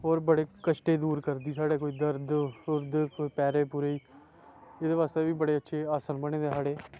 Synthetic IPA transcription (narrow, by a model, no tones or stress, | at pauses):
ɔːɾbəɽeːkəʃʈeːd̪uːɾkəɾd̪iːsaːɽeːkoːiːd̪əɾd̪ʊɾd̪kːiːpɛːɾeːpuːɾeiː | eːd̪eːʋaːst̪eːʋiːbəɽeːətːʃʰeːaːsənbəɳ̃ẽːd̪eːɦaːɽeː